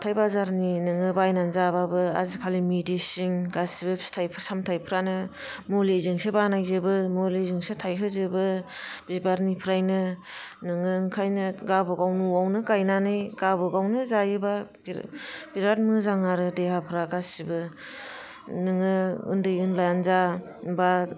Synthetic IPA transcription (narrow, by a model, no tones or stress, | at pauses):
tʰajbazaɾninɯŋɯbajnanzababɯa̰zikʰalimidisiŋɡasibɯstʰajpʰɾsamtʰajpʰɾanɯ | molizɯŋsebanajzɯbɯmolizɯŋsetʰajɦɯzɯbɯb̥ibaɾnipʰɾajnɯnɯŋɯŋkʰajnɯɡabɯɡawnuwawnɯɡajnanɯjɡ̥abɯɡawnɯzajɯbabb̥iɾat̚mɯzaŋaɾɯdehapʰɾaɡasibɯ | nɯŋɯɯ̰ndɯjɯnlaanza | ba